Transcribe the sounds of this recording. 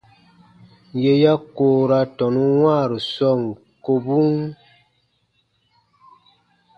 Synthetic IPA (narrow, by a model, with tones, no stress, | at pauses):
je˨ja˦koː˨ɾa˦tɔ˨nu˦wwaː˦˨ɾə˨sɔ˦˨ŋ˨ | ko˨bu˦ŋ